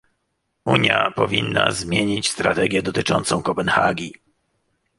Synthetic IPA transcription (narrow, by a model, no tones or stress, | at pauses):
uɲjapɔvʲinːa̰zmʲjeɲit͡ɕst̪ɾat̪ɛɡʲjɛd̪ɔt̪ɘt͡ʂɔnt̪sɔ̃w̃kɔpɛnxaɡʲi